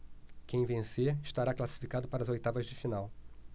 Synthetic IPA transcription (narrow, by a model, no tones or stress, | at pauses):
kẽj̃vẽseɾiʃt̪aɾaklasi̥fikad̪ʊpaɾɐːzojt̪avɐzd͡ʒɪfinaw